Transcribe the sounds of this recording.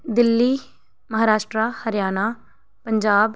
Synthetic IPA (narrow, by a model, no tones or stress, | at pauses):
d̪ɪlːiː | mɐɦaːɾaːʃʈɾaːhəɾjaːnaː | pəɲd͡ʒaːb